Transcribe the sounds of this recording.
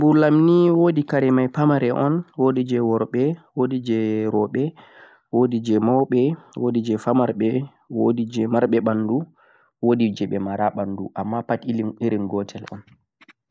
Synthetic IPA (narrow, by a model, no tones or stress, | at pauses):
bulamniwodikaɾɛmajpamaɾɛʔɔnwodid͡ʒɛwɔɾɓɛwodid͡ʒɛɾɔɓɛ | wodid͡ʒɛmɔwɓɛwodid͡ʒɛfamaɾɓɛ | wodid͡ʒɛmaɾɓɛɓandu | wodid͡ʒɛɓɛmaɾaɓandṵʔamːapatiliniɾinɡɔtʰɛlɔ̰n